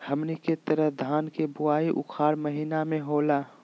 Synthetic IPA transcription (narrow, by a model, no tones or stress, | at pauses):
hɐmniket̪əɾəɦd̪ʱaːnkebʊaːiʔʊ̰kʰaːɾməɦiːnamẽɦoːlaː